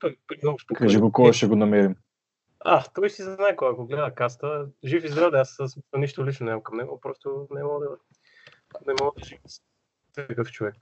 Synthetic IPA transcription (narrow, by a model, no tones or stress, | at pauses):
t̪ɔjpɾiosp̪kaʒɛɡokɔʃɛɡonɐmɛɾim | a̰t̪ɔjisiznaɛkoaakoɡlɛd̪əkast̪əʒifizɡɾad̪əasəsmisəniʃt̪olit͡ʃnonɛzamkɐmnɛɡopɾɔst̪onɛmɔɡəd̪ɐ | nɛmɔɡəd̪ɐʒiv | skɤft͡ʃovɛk